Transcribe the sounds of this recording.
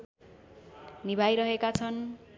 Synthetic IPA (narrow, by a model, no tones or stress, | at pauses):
nibʱajɾʌɦekat͡sʰʌn